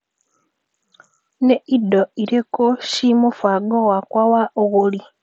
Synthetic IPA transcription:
neʔidːoiɾekoʃimofwaɡowakwawaʔoɣoli

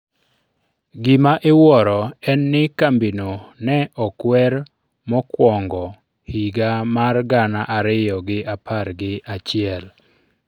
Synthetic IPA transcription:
ɡɪmaʔewɔɾɔɛnːɪkambinonɛɔkwɛɾ | mɔkwɔŋɡɔ | hiɡamarɡanaʔaɾɪjɔɡɪapʰaɾɡɪat͡ʃɪɛl

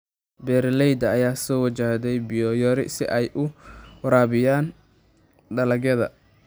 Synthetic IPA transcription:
bɛːɾlɛjd̪ɐːjaːsɔːwɐt͡ʃaːd̪ɛjbɪjɔjɔɾɪ̰sɪ̰ʔɛjʔʊɾaːβɪjaːn | ɖɐlɐɡɐðɐ̰

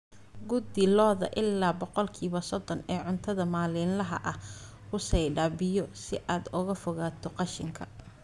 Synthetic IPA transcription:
ɡʊd̪ɪlɔːðɐ̰ʔɪlːaːbɔqɔlkʰiːβɐsɔd̪ɔnɛːʕʊnt̪ʰɐðɐmaːlɪːnlɐɦɐʔɐh | hʊsɛjɖaːbɪjɔsɪʔaːd̪ʊɣɐfɔɣaːt̪ʰɔqɑʃɪŋkʰɐ

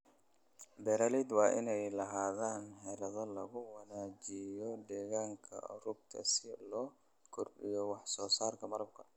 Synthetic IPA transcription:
bɛɾaːlid̪wɑːʔɪ̰nɛjlɐɦaːðaːnħɛɾɐðɐlɐɣʊwɐnaːd͡ʒɪjɔd̪ɛːɣaːŋkʰɐ̰ʔʊ̰ɾʊb̚k̪ʰɐ̰sɪlɔː | kʰʊrbɪjɔwɑħsɔːsaːrkʰɐmɐɾɐb̚kʰɐ

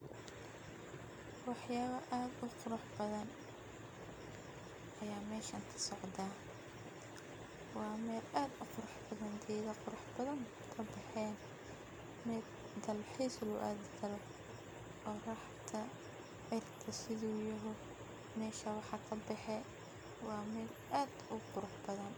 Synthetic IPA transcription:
wɑħjaːɣɐʔaːd̪ʊqʊɾɑħbɐðɐn | ʔɐjaːmɛːʃɐnt̪ʰɐ̥sɔʕd̪aː | wɑːmɛːlaːd̪ʊqʊɾɑħbɐðɐnd̪ʰɛːðɐqʊɾɑħbɐðɐn | kʰɐbɛħɛːn | mɪd̪ | d̪ɐlħiːslʊ̰ʔa̰ːðɐt̪ʰɐlɔ | qɔːrɐħt̪ʰɐ | ʕɪrt̪ʰɐsɪðuːjɐɦʊ | mɛːʃɐwɑħɑkʰɐbɛħɛ | wɑːmɛːlaːd̪ʊqʊɾʊħbɐðɐn

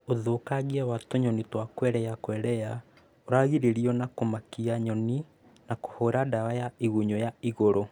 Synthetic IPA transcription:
oðokaɣiawatoɲɔnitwakwɛɾɛakwɛɾɛja | oɾaɣiɾeɾiɔnakomakiaɲɔni | nako̥hoɾadawajaiɣuɲɔjaiɣoɾo

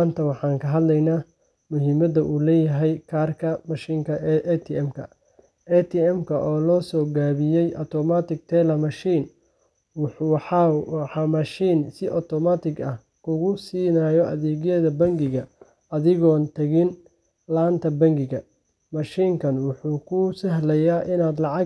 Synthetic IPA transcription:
ant̪ʰɐwɑħɑːŋkʰɐɦɐd̪lɛjnaː | mʊɦɪmɐdɐʔuːlɛːjɐɦɛjkʰaːrkʰɐmɐʃiːŋkʰɐʔɛt̪ʰɪɛmkʰɐ̰ | ʔɛt̪ʰɪɛmkʰɐʔɔːlɔːsɔːɡaːβɪjɛjʔɐt̪ʰɔmat̪ɪɡ̚t̪ʰɛlɐmɐʃiːn | wħħɑmɐʃiːnsɪʔɔt̪ʰɔmat̪ʰɪɡɐh | kʰʊɣʊsiːnajɔʔɐ̰ðɛːɣjɐðɐbɐŋɡɪɣɐ | ɐðɪɣɔːnt̪ʰɐɣɪn | laːnt̪ʰɐbɐŋɡɪɣɐ | mɐʃiːŋkʰɐnwʊħuːkʰʊsɐɦlɐjaːʔɪnaːd̪lɑʕɑ

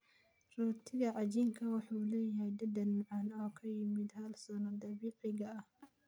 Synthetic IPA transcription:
rɔːt̪ʰɪɣɐʕɑd͡ʒiŋkʰɐwɑħuːlɛːjɐɦɛjd̪ɐd̪ɐnmʊʕɑnɔːkʰɐjɪmɪd̪hɐlsɔnɔd̪ɐβiːʕɪɣɐɐh

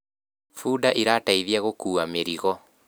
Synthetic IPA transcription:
fuːdaʔiɾaːtaiðiaɣokuːameɾiɣɔ

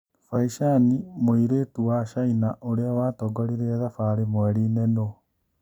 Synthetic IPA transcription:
faiʃanimoiɾeːtuwaʃainaʔoɾeawaːtɔɡɔɾiɾeɛðafaːɾemwɛɾiːnɛno

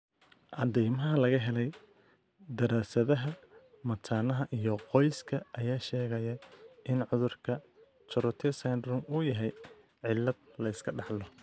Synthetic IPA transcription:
ʔɑd̪ɛjmɐɦɐlɐɣɐɦɛlɛj | d̪ɐɾaːsɐðɐɦɐ | mɐt̪ʰaːnɐɦɐʔijɞqɔjskʰɐʔɐjaːʃɛːɣɐjɐʔɪnʕʊðʊrkʰɐ | t͡ʃɔɾɔt̪ʰɛsand̪ɾʊmuːjɐɦɛj | ʕɪlːɐd̪̚lɐɪskʰɐɖɑħlɔ

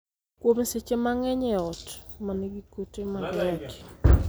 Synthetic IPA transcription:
kwobn̩set͡ʃemaŋɛɲɛɔtmaneɡikutemaɡɔt

